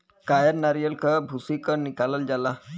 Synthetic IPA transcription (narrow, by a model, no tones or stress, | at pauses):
kajəɾnaɾijəlkəbʱusikəɾnikaləld͡ʒala